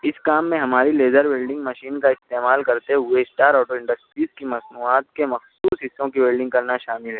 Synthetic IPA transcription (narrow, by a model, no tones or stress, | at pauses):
ɪskaːmːẽɦɐmaːɾileːzəɾʋeːlɖɪ̃ŋɡmɐʃiːnkaɪst̪eːmaːlkɐɾt̪eɦʊeɪsʈaːɾɔːʈoɪ̃ɳɖəsʈɾiːzkimɐsnuːaːt̪kemɐxsuːsɦɪsːõkibeːlɖɪ̃ŋɡkɐɾnaʃaːmɪlɦɛ